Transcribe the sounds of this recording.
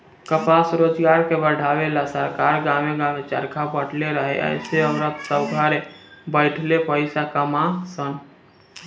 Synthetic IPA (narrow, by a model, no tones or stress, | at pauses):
kəpasɾoːd͡ʒɡaɾkebəɽʱawelasəɾkaɾɡameɡamet͡ʃə̰ɾkʰabəɽleɾəɦɛ̰ʔə̰ɪseəːɾət̪səbɡʱaɾebəɪʈʰlepəɪsakəmasən